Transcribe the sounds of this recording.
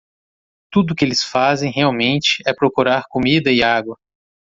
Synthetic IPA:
t̪ud̪ʊkɪelɪsfazẽj̃ɦeawmẽnt͡ʃɪ̥ɛpɾokuɾaɾkomid̪ɐɪaɡwɐ

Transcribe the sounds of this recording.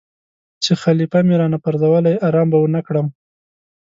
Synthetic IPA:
t͡ʃexalifamiɾɑnapaɾd̪awalajaɾɑmbawənakɽəm

